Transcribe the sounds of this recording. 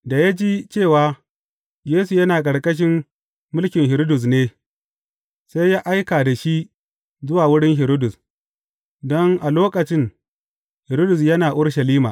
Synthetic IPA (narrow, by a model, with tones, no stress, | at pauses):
da˨ja˦d͡ʒiː˦t͡ʃeː˦˨waː˦ | jeː˦su˨jɐ˦naː˨kʼɐ˨ɽkʼɐ˦ʃ̬ɪ˦mː | ʊ˦lkʲɪ˨ŋhɪ˨ɾo˦dʊ˨s̬neː˦ | sa˦jːaː˦ʔa˦jkaː˨da˨ʃi˦ | zʊ˦waː˨wʊ˦ɽɪ˦ŋhɪ˨ɾo˦dʊ˨s | dɔ˦ŋʔa˨loː˦kʼɐ˨t͡ʃɪ˦n | hɪ˨ɾo˦dʊ˨s̬jɐ˦naː˨ʔʊ˦ɽʃɐ˨liː˦maː˨